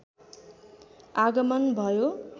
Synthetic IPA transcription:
aɡʌmʌnbʱʌjo

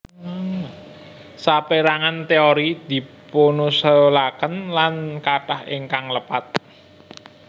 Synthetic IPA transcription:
sapeɾaŋant̪eoɾid̪̥i̤ponusəlakənlankaʈahḛŋkaŋləpat̪̚

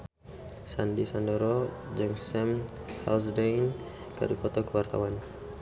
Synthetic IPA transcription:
sandisandɔɾɔd͡ʒɨŋsɛmha̰lsdɛn | ka̰dufɔt̪ɔkəwart̪a̰wan

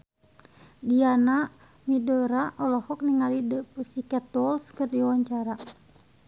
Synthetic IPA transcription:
diana | midɔɾaʔɔlɔhɔk̚niŋalidəpusikɛt̪ɔlskərdiwaɲt͡ʃaɾa

